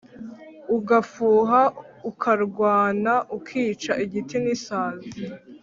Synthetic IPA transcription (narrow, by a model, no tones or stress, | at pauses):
uɡafuːɦaukʰaɾɡwaːnaʔukʰiːt͡ʃaʔiɟitinisaːzi